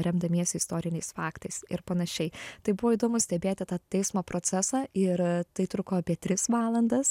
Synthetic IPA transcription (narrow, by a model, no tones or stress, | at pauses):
ɾʲɛmd̪ɐmʲiɛsʲɪst̪oːɾʲɪnʲɛɪsfɑːkt̪ɐɪsɪ̰ɾpɐnɐʃʲɛɪt̪ɐɪbʊʋoːiːd̪oːmʊsʲt̪ʲɛbʲeːt̪ʲɪt̪ɑːt̪ʲɛɪsmoːpɾoːt͡s̪ʲæsɑːɪɾt̪ɐɪt̪ɾʊkoːɐpʲiɛt̪ʲɾʲɪsʋɑːlˠɐnd̪ɐs